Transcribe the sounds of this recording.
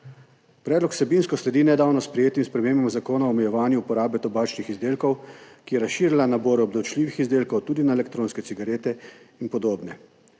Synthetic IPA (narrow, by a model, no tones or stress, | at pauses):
pɾɛd̪lɔksɛbinskɔslɛd̪iːnɛd̪aːwnɔspɾɛjeːt̪imspɾɛmeːmbɔmzakoːnaɔmɛjɛʋaːnjuupɔɾaːbɛt̪ɔbaːt͡ʃnixizd̪eːlkɔwkijɛɾasʃiːɾilanaboːɾɔbd̪ɔwt͡ʃliːʋixizd̪eːlkɔwt̪uːd̪inaelɛkt̪ɾoːnskɛt̪iɡaɾeːt̪ɛ | inpɔd̪oːbnɛ